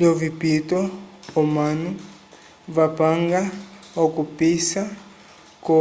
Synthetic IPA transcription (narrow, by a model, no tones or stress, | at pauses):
lɔvipitɔɔmanu | vapaŋɡaɔkupisa | kɔ